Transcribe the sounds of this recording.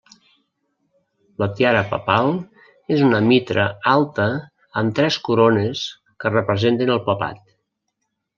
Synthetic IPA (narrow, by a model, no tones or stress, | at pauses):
lət̪jaɾəpə̰palˠ | ezunəmit̪ɾʔəalˠt̪əː | mt̪ɾɛskuɾones | kərəpɾəzent̪ənəlˠpəpa̰t̪̚